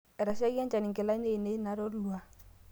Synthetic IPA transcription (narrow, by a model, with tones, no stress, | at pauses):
ɛ˨ɾa˨sa˦ɣja˦nt͡ʃa˨nɪ˨ŋkɪ˨la˦ɲe˦˨ne˦na˦ɾo˦ɾlwa˨